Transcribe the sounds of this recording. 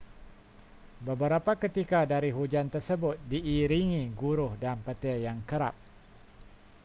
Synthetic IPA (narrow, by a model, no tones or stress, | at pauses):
bəbəɾapakət̪ikadaɾiɦud͡ʒant̪ərsəbʊt̪̚diːɾiŋiɡuɾʊhdanpət̪ɛjaŋkəɾa̰p̚